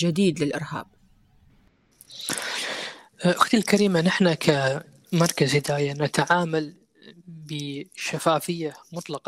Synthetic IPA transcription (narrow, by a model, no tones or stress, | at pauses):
d͡ʒɪd̪iːd̪lɪlʔɪ̰ɾha̰ːb̚ | ʔʊxt̪ɪlkaɾiːmanɪħnakʰa | mɑɾˤkazhɪd̪aːjanat̪aʕaːmal | bɪʃafaːfɪjːamʊt̪ˤlɑqɑ